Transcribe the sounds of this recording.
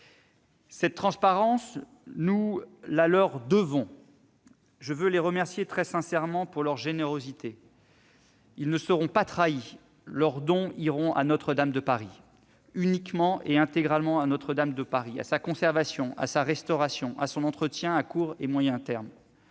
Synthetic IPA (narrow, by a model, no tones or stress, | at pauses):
sɛt̪ːχɑ̃spaʁɑ̃s | nulalœʁd̪əvɔ̃ | ʒəvøleʁəmɛʁsjet̪χɛsɛ̃sɛʁmɑ̃puʁlœʁʒeneʁozit̪e | ilnəsəʁɔ̃pat̪χai | lœʁd̪ɔ̃iʁɔ̃ʔa̰nɔt̪χəd̪amd̪əpaʁi | ynikmɑ̃ʔeɛ̃t̪eɡʁalmɑ̃anɔt̪χəd̪amd̪əpaʁia̰sakɔ̃sɛʁvasjɔ̃ʔa̰saʁɛst̪ɔʁasjɔ̃ʔa̰sɔ̃nɑ̃t̪χət̪jɛ̃akuʁemwajɛ̃t̪ɛʁm